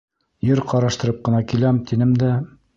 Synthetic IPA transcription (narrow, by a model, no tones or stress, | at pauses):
jɘɾqɑɾɑʃt̪ɤ̆ɾɤp̚qɤ̆nɑkilæmt̪ʰinɘmd̪æ